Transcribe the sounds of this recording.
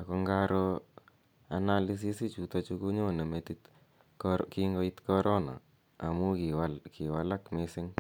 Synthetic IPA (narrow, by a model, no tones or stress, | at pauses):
akɔŋɡaɾo | analis̬isit͡ʃut̪ɔt͡ʃukuɲonemet̪it | kiŋɡoit̪kɔɾɔna̰ | amukiwakʰɪwalakmɪsɪŋ